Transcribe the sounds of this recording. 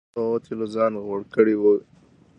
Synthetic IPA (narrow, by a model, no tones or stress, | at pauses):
ot̪ʰilozɑːnɣoɽkəɽiwu